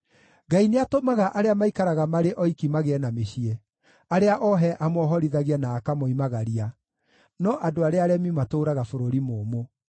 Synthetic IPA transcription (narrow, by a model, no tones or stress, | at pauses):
ɡaineatomaɣaʔaɾeamaikaɾaɣamaɾeʔɔikimaɣeɛnameɕiɛ | aɾeaʔɔɦɛʔamɔɦɔɾiðaɣianaːkamɔimaɣaɾia | nɔʔadoaɾeaɾɛmimatoːɾaɣafoɾoɾimoːmo